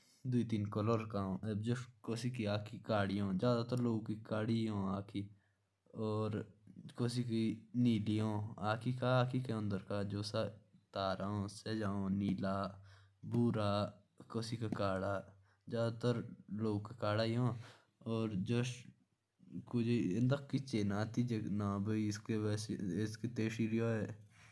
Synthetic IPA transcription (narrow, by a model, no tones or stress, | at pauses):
d̪ʊiːt̪inkələɾkaːõːebd͡ʒokoːsikiaːkikaːɽijõːd͡ʒjaːd̪at̪əɾloːɡkikaːɽiːõːaːkʰiː | ɔːɾkoːsiːkiniːlijõːaːkiːkaaːkikeə̃nd̪əɾkaːd͡ʒoːsat̪aːɾaːõːseːd͡ʒaːõːniːlaː | buːɾaː | kosiːkakaːɽaː | d͡ʒaːd̪at̪əɾloːkːkaːɽaːiõː | oːɾd͡ʒo | kʊd͡ʒeɪnd̪əkkit͡ʃːeːnaːt̪ʰid͡ʒenãːbəiskeʋɛːsɪskiːt̪eːʃiːɾjoːeː